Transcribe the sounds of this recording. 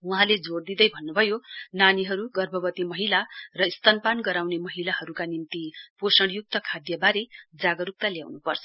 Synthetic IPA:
uɦãled͡zord̪id̪ʌjbʱʌnːubʱʌjonaniɦʌɾuɡʌrbʱʌbʌt̪imʌɦilarʌist̪ʌnpanɡʌɾawnemʌɦilaɦʌɾukanimt̪iposʌɽjuk̚t̪ʌkʰad̪jʌbaɾed͡zaɡʌɾuk̚t̪aljawnupʌrt͡sʰʌ̥

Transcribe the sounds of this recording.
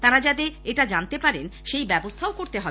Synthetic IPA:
t̪aɾad͡ʑad̪eeʈad͡ʑant̪epaɾenʃejbɛbost̪ʰaokoɾt̪eɦɔe

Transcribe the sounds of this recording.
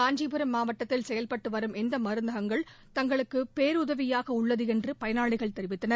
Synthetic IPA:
aːɲd͡ʒiːpɯɾɐmːaːʋɐʈːɐt̪ːɪlsɛjɐlpɐʈːɯʋɐɾɯmɛnd̪ɐmɐɾɯnd̪ɐɣɐŋɡɐɭ | t̪ɐŋɡɐɭɯkːɯpeːɾʊðɐʋɪjaːɣɐʊɭːɐðɯɛndrɯpɐjɐnaːɭɪɣɐɭt̪ɛɾɪʋɪt̪ːɐnɐɾ

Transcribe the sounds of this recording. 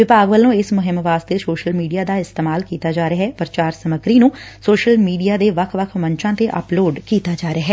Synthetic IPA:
ʋɪpaːɡʋəlõːɪsmʊɦɪmʋaːst̪eːsoːʃəlmiːɖijaːd̪aːɪst̪eːmaːlkiːt̪aːd͡ʒaːɾeɦɛːpəɾt͡ʃaːɾsəməɡɾiːnũːsoːʃəlmiːɖijaːd̪eːʋəkʰʋəkʰməɲt͡ʃãːt̪eːʔə̰ploːɖkiːt̪aːd͡ʒaːɾeaːɦɛː

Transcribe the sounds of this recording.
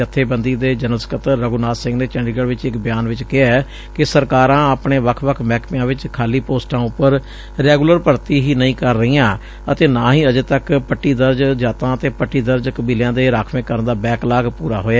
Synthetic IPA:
ət̪ʰːeːbənd̪iːd̪eːd͡ʒənəskət̪əɾːəɡunaːsɪ̃ŋɡneːt͡ʃɛ̃ɳɖiɡəɽʋɪt͡ʃɪkbɪjaːnʋɪt͡ʃkɪaɛː | kɪsəɾkaːɾãːəpɳeːʋəkʰʋəkʰmɛːkpɪjãːʋɪt͡ʃkʰaːliːpoːsʈãːʊpːəɾ | ɾɛːɡːləɾpəɾt̪iːɦiːnəĩːkəɾːəiːjãː | ət̪eːnaːɦĩːəd͡ʒeːt̪əkpəʈːiːd̪əɾd͡ʒd͡ʒaːt̪ãːət̪eːpəʈːiːd̪əɾd͡ʒkəbiːljãːd̪eːɾaːkʰʋẽːkəɾənd̪aːbɛːklaːɡpuːɾaːɦoːaː

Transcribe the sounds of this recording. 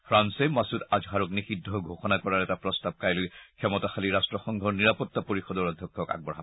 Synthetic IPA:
pʰɹansemasudad͡ʒɦaɹɔknixidʱːɔɦɡʱoxɔnakɔɹaɹɛtapɹɔstab̚kajlojkʰɛmɔtaxaliɹastɹɔxɔŋɡʱɔɹniɹapɔtːapoɹixɔdɔɹadʱɔkʰːɔka̰ɡ̚bɔɹɦa

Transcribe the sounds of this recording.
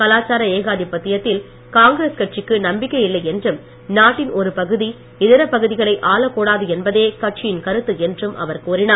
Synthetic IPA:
kɐlaːt͡ʃaːɾɐeːɣaːðipːɐt̪ːɪjɐt̪ːɪl | kaːŋɡɪɾeːskɐʈ̚t͡ʃɪkːɯnɐmbɪkːɐjɪlːɐɪɛndrɯm | naːʈːɪnʔɔɾɯpɐɣɯði | ɪðɪɾɐpɐɣɯðɪɣɐɭɐɪʔaːlɐkuːɽaːðɯɛnbɐðeːkɐʈ̚t͡ʃɪjɪnkɐɾɯt̪ːɯɛndrɯmʔɐ̰ʋɐɾkuːɾɪnaː

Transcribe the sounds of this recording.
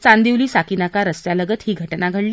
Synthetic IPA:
t͡sand̪iwliːsakiːnakaɾəst̪jaləɡət̪hiːɡʱəʈnaɡʱəɽli

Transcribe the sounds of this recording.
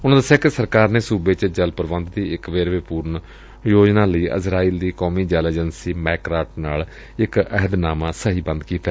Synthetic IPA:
ʊnãːd̪əsjaːkɪsəɾkaːɾneːsuːbeːt͡ʃd͡ʒəlpəɾʋə̃nd̪d̪iːɪkʋeːɾʋeːpuːɾn | joːd͡ʒnãːləiːʔə̰sɾaːiːld̪iːkɔːmiːd͡ʒɛleːd͡ʒənsiːmɛːkɾaːʈ̚naːl | ɪkəɦəd̪naːmãːsəɦiːbə̃nd̪kiːt̪aɛː

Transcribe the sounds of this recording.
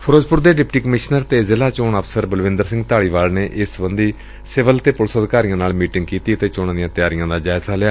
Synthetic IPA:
pʰəɾoːd͡ʒpʊɾd̪eːɖɪpʈiːkəmɪʃnəɾt̪eːzɪlaːt͡ʃoːɳəpʰsəɾbəlʋɪ̃nd̪əɾsɪ̃ŋɡt̪aːɭiːʋaːlneːʔɪsbənd̪iː | sɪʋəlt̪eːpʊlsəd̪kaːɾijãːnaːlmiːʈɪ̃ŋɡkiːt̪iːət̪eːt͡ʃoːɽãːd̪ɪijãːt̪jaːɾɪjãːd̪aːd͡ʒaːɪzaːlɪjaː

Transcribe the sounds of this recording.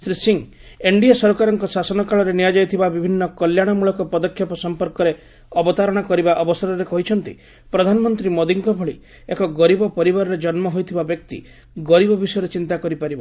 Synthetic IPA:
sɾisiŋ | eɳɖiasɔɾkaɾɔŋkɔsasɔnɔkaɭɔɾeniad͡ʒajt̪ʰibabibʱinːɔkɔljaɽ̃ɔmuɭɔkɔpɔd̪ɔkʰːjɔpɔsɔmpɔɾkɔɾe | ɔbɔt̪aɾɔɽ̃ɔkɔɾibaʔɔbɔsɔɾɔɾekɔɦit͡ʃʰɔnt̪ḭ | pɾɔd̪ʱanɔmɔnt̪ɾimod̪iŋkɔbʱɔɭi | ekɔɡɔɾibɔpɔɾibaɾɔɾed͡ʒɔnmɔɦojt̪ʰibabjɔk̚t̪ḭ | ɡɔɾibɔbisɔjɾet͡ʃint̪akɔɾipaɾiba

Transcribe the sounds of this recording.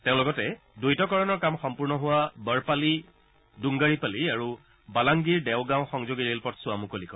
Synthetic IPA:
teʊ̃lɔɡɔtɛ | dojtɔkɔɹɔnɔɹkamxɔmpuɹnɔɦʊwabəɹpali | duŋɡaɹipaliaɹu | balaŋɡiɹdɛʊɡãw̃xɔŋzoɡiɹelpɔtsʊamukolikɔ

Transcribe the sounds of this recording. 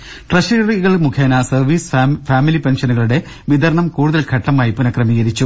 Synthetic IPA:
ʈrɐɕiːriɣɐɭmukʰɐːnaːsɐrʋiːsfaːmilipenɕɐnuɣɐɭuɽe̞ | ʋid̪ɐɾɳɐmkuːɽuðɐlkʰɐʈːɐmaːjipunɐkrɐmiːɣɐɾit͡ɕːu

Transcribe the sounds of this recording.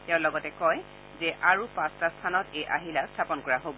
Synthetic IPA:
tɛ̃ʊ̃lɔɡɔtɛkɔj | zɛʔaɹupãstastʰanɔtejʔaɦilastʰapɔnkɔɹaɦobɔ

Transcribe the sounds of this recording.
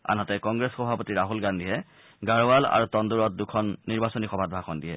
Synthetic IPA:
a̰nɦɔtɛkɔŋɡɹɛsxɔbʱapotiɹaɦulɡandiɦɛ | ɡaɹowala̰ɹutɔnduɹɔt̚dukʰɔnːiɹbasɔnixɔbʱat̚bʱakɔndiɦɛ̰

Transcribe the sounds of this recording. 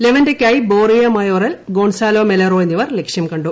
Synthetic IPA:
leʋɐndekʲːaːjiboːrijɐmɐjoːɾɐlɡoːɳsaːloːmelɐroːjenːiʋɐrlekʂjɐmkɐɳɖu

